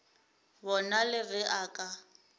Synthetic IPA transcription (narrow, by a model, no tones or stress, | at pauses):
bɔnalɪbɛʔaːkʼa